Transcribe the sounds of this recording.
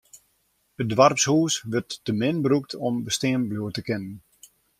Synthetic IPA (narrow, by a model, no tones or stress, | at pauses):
ədʋarpshuːsʋərtːəmɪnbɾuk̚tʰɔmbəstɪəmbluətəkɪnən